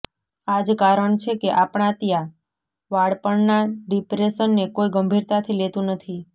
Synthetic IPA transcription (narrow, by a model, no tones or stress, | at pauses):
ad͡ʒkaɾəɳt͡ʃʰekeʔapɳãt̪ja | ʋaɽpəɳnaɖipɾesənːekoiɡəmbʱiɾt̪at̪ʰilet̪ũnət̪ʰi